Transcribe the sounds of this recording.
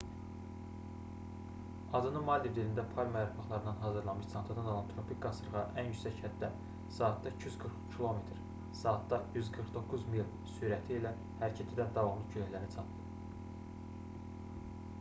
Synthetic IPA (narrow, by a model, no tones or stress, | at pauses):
ɑd̪ɯnɯmɑld̪ivd̪ilind̪æpʰɑlʲmæɾufɑχlˠɑɾɯnd̪ɑnɦɑzɯɾlˠɑmɯʃt͡s̪ʰɑnt̪ʰɑd̪ɑno̞lˠɑnt̪ʰɾo̞pʰik̚ɡɑsɯɾʁɑʔænjycsæchæt̪d̪ːæ | sɑːt̪d̪ɑicʰjyzɡɯɾχcʰilˠo̞met̪ɾ | sɑːt̪̚d̪ɑjyzɡɯɾχd̪o̞kʰːuzmilˠ | syɾæt̪ʰiilæ | hæɾcʰæt̪ʰid̪ænd̪ɑvɑmlˠɯɟʰøjæçlæɾnit͡sʰɑp̪lɯp